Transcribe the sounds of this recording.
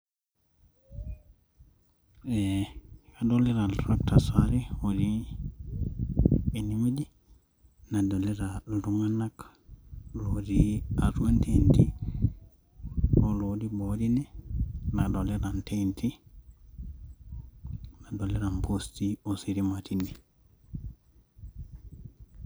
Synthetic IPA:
ɛkadɔlɛɾaltɾak̚tasaɾiodi | enimidi | nadɔlɛɾalduŋanak | lodiaɾuantʰenti | ɔlodibodinɛnadɔlɛɾantentʰi | nadɔlɛɾampʰostiɔsiɾimatʰindi

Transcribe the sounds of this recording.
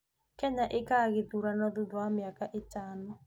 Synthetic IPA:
kɛɲaʔekaɣeðuɾanɔðudwamɪakaʔetaːnɔ

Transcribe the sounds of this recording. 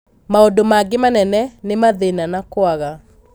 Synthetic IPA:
maodomaɡemanɛnɛnemaðenanakwaɣa

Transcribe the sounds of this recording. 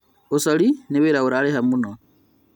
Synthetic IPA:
usolineβeɾauɾalehamuno

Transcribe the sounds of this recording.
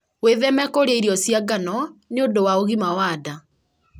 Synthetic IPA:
weðɛmɛkoɾeiɾiɔsjaɡanɔneondowaoɣimawaːda

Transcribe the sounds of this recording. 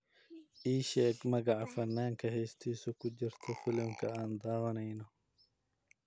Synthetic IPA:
ʔiːʃɛkmɐɡaʕfɐnːaːŋkʰɐhɛst̪ʰiːsʊkʊd͡ʒɪɾt̪ʰɔfɪlɪmkʰɐaːnd̪aːwɐnɐjnɔ

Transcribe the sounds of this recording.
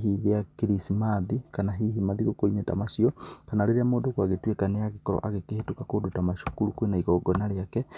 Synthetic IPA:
ɦiðeakiɾisimaðikanaɦihimaðiɣokoɾineta̰maʃiɔkanaleɾeamoːdokwaɣetwekaneaɣekɔɾɔ̰ʔaɣekehetokakodotamaʃukulukwenaiɣɔɡɔnaɾeakɛ

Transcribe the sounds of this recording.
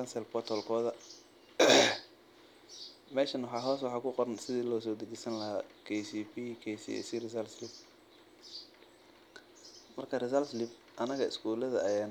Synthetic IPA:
ɐnsɛlbɔt̪ʰɔlkʰɔːðɐ | mɛːʃɐnwʊħɑːɦɔːs̬wɑħɑːkʰʊqɔɾɐnsɪðiːlɔːs̬ɔːd̪ɐt͡ʃɛjsɐnlɐɦa̰ːkʰɛsipikʰɛsḭɛ̰sirɪsɐlslɪb̚ | mɐrkʰɐrɪsɐlslɪb | ʔɐnɐɣɐɪ̰skʰuːlɐðɐʔɐjaːn

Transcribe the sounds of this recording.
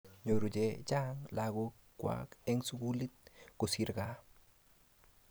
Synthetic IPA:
ɲoɾud͡ʒed͡ʒaŋlaɡo | kwa̰kɛŋsuɡulit̪̚kʊsiɾka

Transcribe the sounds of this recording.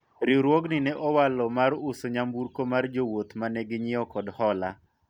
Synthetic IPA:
ɾiɾwɔɡnɪnɛʔɔwalɔmaɾʊsoɲambuɾkomard͡ʒowot̪manɛɡɪɲɪɔkɔdhɔla̰

